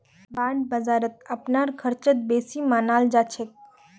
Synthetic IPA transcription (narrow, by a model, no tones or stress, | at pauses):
baːɳɖ̚bəzaːɾət̪̚ɐpnaːɾkʰəɾt͡ʃət̪̚beːsimaːnaːld͡ʒaːt͡ʃʰek̚